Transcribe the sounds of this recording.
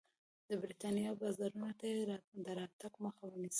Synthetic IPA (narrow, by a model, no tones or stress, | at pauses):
d̪əbɾit̪ɑnijɑbɑzɑɾunot̪ajed̪əɾɑt̪aɡməxawənisi̥